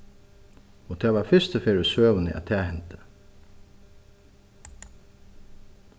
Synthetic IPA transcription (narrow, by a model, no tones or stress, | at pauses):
ɔt̪ʰɛːʋaɾfɪst̪əfeːɹɪsøːʋənɪ̰ʔæ̰t̪ʰɛːhɛnt̪ə̥